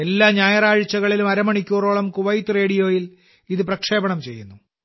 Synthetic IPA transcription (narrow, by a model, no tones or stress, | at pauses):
e̞lːaːɲaːjɐraːɻɨt͡ɕːɐɣɐɭilumɐɾɐmɐɳikʲːuːroːɭɐmkuʋɐjtːɨre̞ːɽijo̞ːjil | iðɨprɐkʂe̞ːbɐɳɐmt͡ɕe̞̰jːunːu